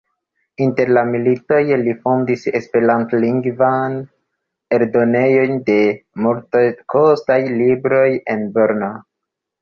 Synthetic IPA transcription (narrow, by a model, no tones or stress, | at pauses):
inte̞ɾlamilito̞jlifo̞ndise̞spe̞ɾantliŋɡvan | e̞ɾdo̞ne̞jo̞ɲde̞multakʰostajlibɾo̞je̞nboɾno